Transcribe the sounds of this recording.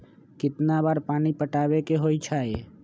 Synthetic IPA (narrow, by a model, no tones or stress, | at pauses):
kɪt̪nabaːɾpaːnipəʈaːbekeɦoːit͡ʃʰaːe